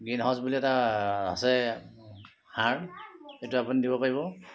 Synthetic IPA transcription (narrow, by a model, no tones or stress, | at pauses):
ɡinɦɔ̃zbuliɛtaa̰sɛ | haɹdetuapunidibɔpaɹiβɔ